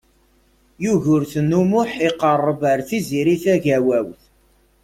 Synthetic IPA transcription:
juʝʊɾθnːumʊħiqərˤːəbəɾθiziɾiθæʝæwæwθ

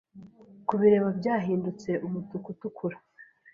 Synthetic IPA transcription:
kuβiɾe̞βabɟaːɦiːndut͡se̞ʔumutukutukʰuɾa

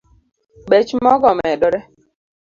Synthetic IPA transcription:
ɓet͡ʃmɔɡɔmɛɗɔɾɛ

